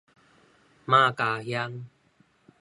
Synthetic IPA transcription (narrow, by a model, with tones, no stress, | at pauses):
ma˥˧˨kaː˨˧hja˦ŋ